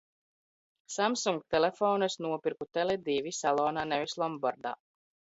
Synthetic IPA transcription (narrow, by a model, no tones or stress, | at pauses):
samsuŋɡ̚t̪ɛlɛfɔːnɨsnuɔpiɾkut̪ɛlɛd̪iːvisalˠɔːnaːnɛvislˠɔmbaɾd̪a̰ː